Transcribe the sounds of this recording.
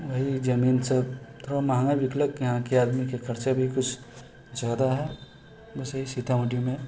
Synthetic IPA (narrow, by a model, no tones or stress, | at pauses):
ʋəɦid͡ʒɐmiːnsəbt̪oamaɦŋaʋɪkləkjɐɦãkeaːd̪mikekʰɐɾt͡ʃebʱikʊt͡ʃʰ | d͡ʒaːd̪aɦɛ | bɐsəɦisit̪ʰamɐʈimẽ